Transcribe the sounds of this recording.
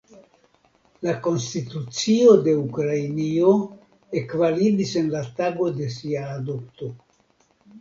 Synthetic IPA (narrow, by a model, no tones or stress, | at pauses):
lako̞nstitut͡sio̞de̞ukɾajnio̞ | e̞kvalibise̞nlataɡo̞de̞s̬iaːdopto̞